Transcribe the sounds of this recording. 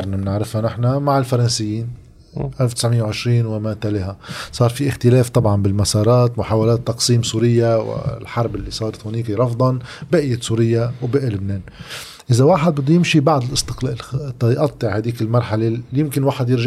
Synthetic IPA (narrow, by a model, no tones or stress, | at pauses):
ɾˤnamnɪʕɾɪfhanɪħnamaʕɪlfɑɾˤɑnsɪjːiːn | ʔalft̪ɪ̥sʕmɪjːawʕɪʃɾiːnwɪmaːt̪alɪhasˤɑːɾˤfiʔɪxt̪ɪleːft̪ˤɑbʕɑnbɪlmasɑːɾˤɑːt̪mʊħaːwalæːt̪ːɑqsiːmsuːɾɪjːawɪ̰lħɑɾˤbɪlːisˤɑːɾˤɑt̪hʊniːkiɾˤɑfd̪ˤɑnbɪʔɪjːasuːɾɪjːawbɪʔlʊbneːn | ʔɪzawaːħɪd̪̚bɪd̪ːujɪmʃibaʕd̪ˤɪlʔɪst̪ɪqleːlt̪ːɑjʔɑt̪ˤːɨʕhaːd̪iːkɪlmɑɾˤħalejɪmkɪnwaːħɪd̪jɪɾʒ